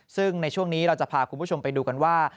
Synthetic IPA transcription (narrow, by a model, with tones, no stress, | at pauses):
sɯ˥˩ŋna˧jt͡ɕʰu˥˩əŋniː˦˥ɾa˧wt͡ɕa˨˩pʰaː˨˩kʰu˧mʰuː˥˩t͡ɕʰo˧mpa˧jduː˧ka˧nwaː˥˩